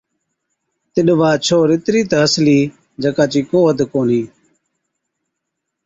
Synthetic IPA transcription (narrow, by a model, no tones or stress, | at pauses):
t̪ɪɗʋaːt͡ʃʰoːɾɪt̪ɾiːt̪əɦəsliː | d͡ʒəkaːt͡ʃiːkoːɦəd̪koːniː